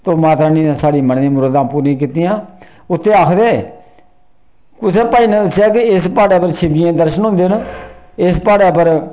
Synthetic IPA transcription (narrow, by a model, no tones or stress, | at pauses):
t̪oːmaːt̪ɾaːnĩːãsaːɽiːməɳd̪ẽːmʊɾəd̪ãːpuːɾĩːk̬iːt̪ijãː | ʊt̪ʰːeːaːkʰd̪eː | kʊseːpaːiːnə̃ːd̪əsjaːkɪɪspaːɽaːpəɾt͡ʃʰɪbd͡ʒɪjãːd̪əɾʃənɦʊ̃ːnd̪eːnɪspaːɽɛːpəɾ